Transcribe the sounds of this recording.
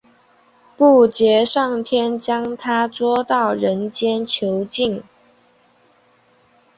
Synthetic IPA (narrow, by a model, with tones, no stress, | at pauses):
pu˥˨˩t͡ɕjɛ˨˧˥ʂɑ˥˩ŋt̪ʰjɛ˥nt͡ɕjɑ˥ŋt̪ʰa˥t͡swɔ˥t̪ɑ˥˩ʊɻə˧˦nt͡ɕjɛ˥nt͡ɕʰjo˨˦ʊt͡ɕi˥˨ŋ